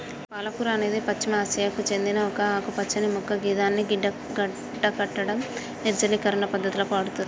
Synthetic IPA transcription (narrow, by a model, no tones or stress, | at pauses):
paːlɐkuɾɐɐne̞ːd̪ipɐt͡ʃːɐmiaːsɐjakut͡ʃe̞nd̪inɐɔkɐaːkupɐt͡ʃːɐnimukːɐɡiːd̪aːnːiɡiɖːɐ | ɡɐ | ɖːɐkɐʈːɐɽɐm | niɾd͡ʒɐlikɐɾɐɳɐpɐd̪ʱːɐt̪ulopaːɽut̪uni